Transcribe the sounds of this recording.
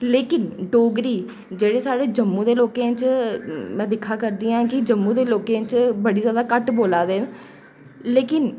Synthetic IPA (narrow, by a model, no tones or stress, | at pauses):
leːkɪnɖoːɡɾiː | d͡ʒeːɽeːsaːɽeːd͡ʒəmːũːd̪eːloːkẽːt͡ʃ | mɛ̃ːd̪ɪkʰːaːkəɾd̪iːãːkɪd͡ʒəmːũːd̪eːloːkẽːt͡ʃbəɽiːzjaːd̪aːkəʈboːlaːd̪eːn | leːkɪn